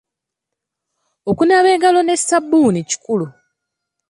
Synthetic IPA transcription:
okunaβe̞ːɡalo̞ne̞sabːuːnici̥kulu

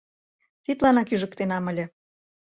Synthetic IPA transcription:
t̪it̪lɑnɑkyʒə̆k̚t̪enɑmə̆lʲə̆

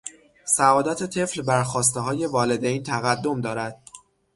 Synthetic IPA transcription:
sævɒːd̪ɒt̪ʰe̞t̪ʰe̞flbæɾxɒːs̬t̪eɦɒːje̞vɒːle̞d̪ejnt̪ʰæɣæd̪ːo̞md̪ɒːɾæd̪̥̚

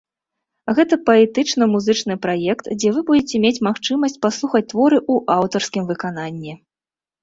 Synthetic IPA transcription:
ɣɛt̪ɐpɐɛt̪ɨt͡ʂnɐmuzɨt͡ʂn̪ɨpɾajɛkt̪d͡zʲɛvɨbud͡zʲɛt͡sʲɛmʲet͡sʲmaxt͡ʂɨmɐsʲt͡sʲpaslˠuxɐt͡sʲt̪vɔɾɨʔuʔawt̪ɐrskʲimvɨkan̪anʲːɛ

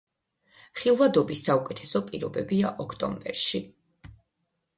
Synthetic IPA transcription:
χilˠvad̪ɔbisːaukʼɛt̪ʰɛsɔpʼiɾɔbɛbiaʔɔkʰt̪ʼɔ̰mbɛ̰ɾʃi

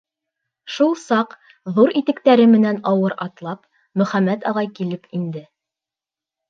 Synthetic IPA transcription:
ʃulˠsɑq | ðuɾit̪ɘ̆kt̪æɾɘmɘ̆nænɑwɤɾɑt̪lˠɑp | mɵ̆χæmæt̪ɑʁɑjkilɘpind̪ɘ

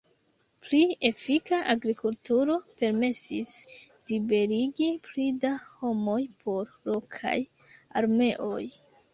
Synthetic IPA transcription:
plie̞fikaʔaɡɾikultuɾo̞pe̞ɾme̞sis | libe̞ɾiɡiplidaho̞mo̞jpʰo̞ɾ | lo̞kʰa̰j | a̰ɾme̞ʔo̞j

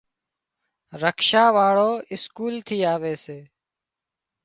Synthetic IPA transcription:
ɾəkʰʃaːʋaːɭoːɪskuːlt̪ʰiːaːʋeːseː

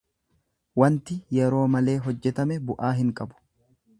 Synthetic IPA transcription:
wɐnt̪ɪjɛɾo̞ːmɐle̞ːɦɔd͡ʒːɛt̪ɐmɛbʊʔaːɦɪŋkʼɐbʊ̥

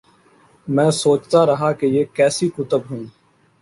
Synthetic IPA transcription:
mɛ̃ːsoːt͡ʃt̪aːɾəɦaːkejeːkɛːsiːkʊt̪əbɦũː

